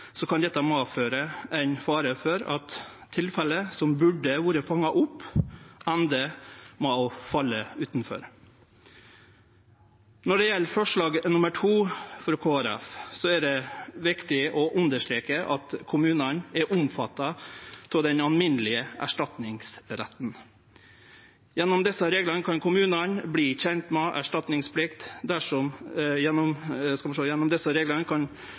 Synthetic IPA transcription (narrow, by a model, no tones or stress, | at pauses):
sɔkɑnd̪ɛt̪ːəmɑːføːɾəʔæɪnfɑːɾəfɔɾɑt̪ʰː | ɪlfɛlːəsɔmbʉɖːəʋuːɾəfɑŋːɑʔʊpː | ɛnd̪əmɔfɑlːəʉːt̪nfɔ̰ɾ | nɔɖɛjɛlːfɔʂɭɑːɡnʊməʈʰuːfɾɑkʰoːæɾɛ̰fsɔɛɖɛʋɪkt̪ɪɔʔʉnd̪əʂʈ̪ɾeːkəʔɑ̰t̪kʰʊmʉːnənɛʔʊmfɑt̪ːɑt̪ʰɪd̪ɛnɑlmɪnəlɪəæ̰ʂʈɑt̪nɪŋsɾæ̰t̪n̩ | jɛnːɔmd̪ɛsːəɾeːɡlənkʰɑnkʰʊmʉːnənbliːçɛnt̪mɛʔæ̰ʂʈɑt̪nɪŋspʰlɪkt̪d̪æʂɔmjɛnːɔmskɑmɑʂlojɛnːɔmd̪ɛsəɾeːɡlənkʰɑn